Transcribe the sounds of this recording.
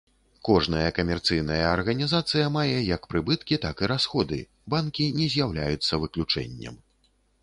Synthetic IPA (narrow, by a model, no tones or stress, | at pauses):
kɔʐnɐjɐkɐmʲɛrt̪sɨjn̪ɐjɐɐrɣɐnʲizat̪sɨjɐmajɛjɐkpɾɨbɨt̪kʲit̪akiɾasxɔd̪ɨ̰ | bankʲinʲɛzʲjawlʲajut̪sːɐvɨklʲut͡ʂɛ̰nʲːɐ̰m